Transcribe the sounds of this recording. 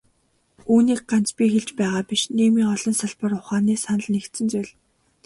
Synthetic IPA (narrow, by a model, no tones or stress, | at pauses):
uːniːk̚ɢant͡spʲiːxeɮt͡ɕpæːʁaːpiʃniːmiːŋɔɮɞ̆nsaɮpə̆rʊχaːniːsanə̆ɮnekt̪sɘ̆nt͡sʊjɮ